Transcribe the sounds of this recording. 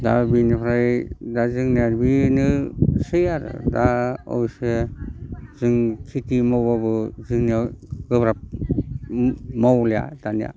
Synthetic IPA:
dabinipʰɾajdazɯŋnaɾbinɯsɯjaɾɯ̰daɔ̰wse | zɯŋkʰitimawbabɯzɯŋniaɡɯbɾap̚ | mawlja̰d̥anija̰

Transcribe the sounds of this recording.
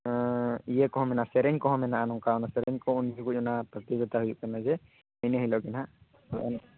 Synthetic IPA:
ijɛkɔɦɔmɛnasɛɾɛɲkɔɦɔmɛnaʔanɔŋkaɔnasɛɾɛɲkɔuniskucɔnapɾɔt̪iɡɔt̪aɦujuʔkanad͡ʒɛ | ɛjnɛɦijlɔkina | ʔɛ̰n

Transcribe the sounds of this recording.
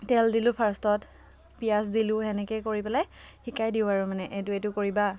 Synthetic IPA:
tɛldilʊ̃pʰaɹstɔt | pias̬dilʊɦɛnɛkɛkoɹipɛlajxikajdiʊaɹumanɛʔetʊetʊkoɹiba

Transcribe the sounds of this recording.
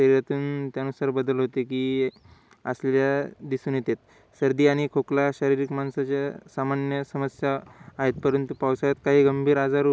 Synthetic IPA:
əɾiɾjat̪uːnt̪janusaɾbəd̪əlɦot̪ekiː | ə̰sleljad̪isunet̪et̪ | səɾd̪iːaɽ̃ikʰoklaɕəɾiɾikmansat͡ɕjasamanjəsəməsjaːɦet̪pəɾənt̪upawsajat̪kaɦiːɡəmbʱiːɾad͡zaɾ

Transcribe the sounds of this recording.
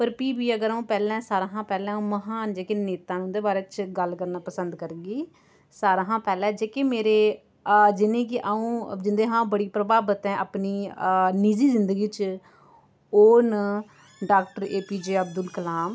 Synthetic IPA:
pəɾpiːbiːəɡəɾaũːpɛːlɛ̃ːsaːɾãːɦãːpɛːlɛ̃ːũːməɦaːnd͡ʒeːkeneːt̪ãːnũːd̪eːbaːɾeːt͡ʃɡəlkəɾnaːpəsənd̪kəɾɡiː | saːɾãːɦãːpɛːlɛ̃ːd͡ʒeːkeːmeːɾeː | d͡ʒɪnẽːk̬ɪʔaũːd͡ʒɪnd̪eːɦãːbəɽiːpɾəbaːbət̪ɛ̃ːʔapniːniːziːzɪnd̪əɡiːt͡ʃ | oːn | ɖaːkʈəɾeːpiːd͡ʒeːəbd̪ʊlkəlaːm

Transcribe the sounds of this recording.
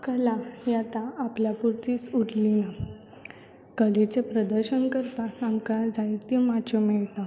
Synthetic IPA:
kəlajat̪aːpljapuɾt̪iːt͡suɽlina | kəlet͡sepɾəd̪əɾɕənkəɾt̪aamkad͡zajt̪imad͡ʑɔmɛɭt̪a

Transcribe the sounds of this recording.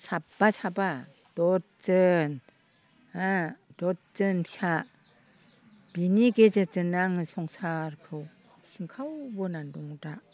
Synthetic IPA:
sapːasʰaba | d̥ɔt̚t͡ʃɯn | adɔt̚zɯnpʰsa | b̥iniɡezɯt͡ʃɯnaŋɯsɔŋsaɾkʰɯw | siŋkʰawbɯnandɔŋdaʔ

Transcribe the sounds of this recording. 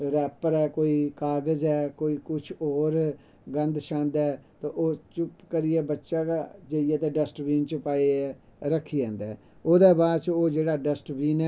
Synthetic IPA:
ɾɛːpəɾɛːkoːiːkaːɡəzɛːkoːiːkʊt͡ʃʰɔːɾ | ɡənd̪ʃãːnd̪ɛːt̪õːʔoːt͡ʃʊpkəɾɪɛːbətːʃaːkad͡ʒəɪjɛːt̪ẽːɖəsʈʋiːnt͡ʃəpaːeɛ | ɾəkʰːiːd͡ʒãːnd̪ɛː | oːd̪ɛːbaːd̪t͡ʃoːd͡ʒeːɽaːɖəsʈʋiːnɛː

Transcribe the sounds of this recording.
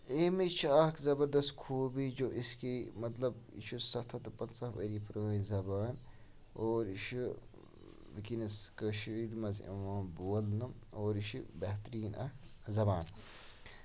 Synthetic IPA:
emit͡ʃʰɐkzɐbɐɾd̪ɐst̪kʰoːbid͡ʒoːʔiskimɐt̪lɐb | ḭt͡ʃʰusɐt̪ʰɐt̪ɨpɐnt͡sɐfəɾipɾəːĩzɐbaːn | oːɾit͡ʃʰu | bikinɐskəʃɾid̪mɐzɐ̰ʋãːnboːlnɨm | oːɾiʃʰibɐht̪ɾiːnɐ̰zɐbaːn

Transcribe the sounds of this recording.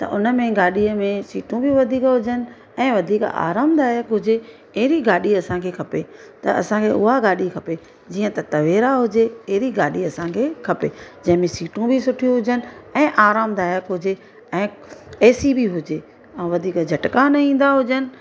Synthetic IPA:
t̪ɐ̰ʔʊnə̆mẽɡaːɗiəmẽsiːʈũbʱiʋɐd̪ʱiːkɦʊd͡ʑənɪ̆ | ɛ̃ːʋɐd̪ʱiːka̰ːɾaːmd̪aːjəkɦʊd͡ʑe | ɛɦɪɾiɡaːɗiɐsãkʰeːkʰɐpet̪ɐɐ̰sãkʰeʊɦaɡaːɗikʰɐpe | d͡ʑiːə̃t̪ɐt̪ɐʋeːɾaɦʊd͡ʑeɛɦɪɾiɡaːɗiɐsãkʰeːkʰɐped͡ʑɐ̃ɦɪ̃mẽsiːʈũbʱɪsʊʈʰijũɦʊd͡ʑənɪ̆ɛ̃ːʔaːɾaːmd̪aːjəkɦʊd͡ʑe | ɛ̃ːeːsibiɦʊd͡ʑe | ɛ̃ʋɐd̪ʱiːkd͡ʑʱɐʈkanɐĩːn̆d̪aɦʊd͡ʑənɪ̆

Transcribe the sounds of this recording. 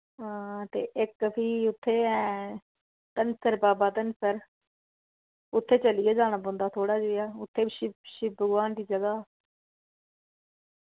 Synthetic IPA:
ɦãːt̪ḛːʔɪkːpʰiːʊt̪ʰːeːɛː | t̪ənsəɾbaːbaːt̪ənsəɾ | ʊt̪ʰːeːt͡ʃəlɪjaːd͡ʒaːɽ̃aːbõːnd̪aːt̪ʰoːɽaːd͡ʒoːjaːʊt̪ʰːeːbːʃɪʃɪbʱəɡʋaːnd̪iːd͡ʒəɡaː

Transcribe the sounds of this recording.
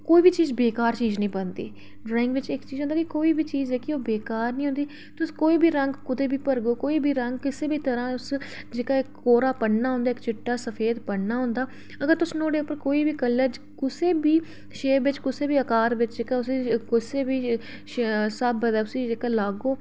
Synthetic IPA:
koːiːbiːt͡ʃiːzbeːkaːɾt͡ʃiːznəĩːbənd̪ḭː | ɖɾaːɪ̃ŋɡʋɪt͡ʃɪkt͡ʃiːzɦʊ̃nd̪aːkɪkoːiːbiːt͡ʃiːzɛːkɪoːbeːkaːɾnĩːʊ̃ːnd̪iː | t̪ʊskoːiːbʱiːɾəŋɡkʊd̪eːbʱiːpəɾɡoːkoːiːbʱiːɾəŋɡkɪseːbiːt̪əɾãːʊs | d͡ʒeːkaːɪkːoːɾaːpəɽnaːɦʊ̃nd̪aːɪkt͡ʃɪʈːaːsəfʰeːd̪pəɽnaːɦʊ̃ːnd̪aː | əɡəɾt̪ʊsnoːɖeːʊpːəɾkoːiːbiːkəlːəɾd͡ʒ | kʊseːbiː | ʃeːʋɪt͡ʃkʊseːbiːəkaːɾʋɪt͡ʃd͡ʒeːkaːʊskɪseːbiː | ʃsəbəd̪aːʊsiːd͡ʒeːkaːlaːɡoː

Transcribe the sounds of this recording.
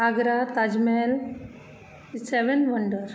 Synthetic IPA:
aɡɾat̪ad͡ʒmel | seʋenʋəɳɖəɾ

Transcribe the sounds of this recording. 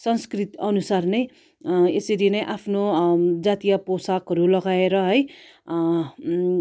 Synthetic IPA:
sʌnskrit̪ʌnusarnej | esʌɾinʌjʔapʰnod͡zat̪ijʌposakɦʌɾulʌɡaeɾʌɦʌj

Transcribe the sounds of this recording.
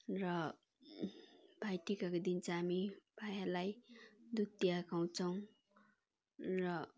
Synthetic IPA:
rʌ | bʱajʈikakod̪int͡saːmibʱajalajd̪ut̪ːjakaw̃t͡sʰʌw̃ | rʌ

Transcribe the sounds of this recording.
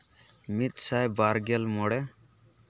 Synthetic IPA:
mit̪̚sajbaɾɡelmɔɽɛ

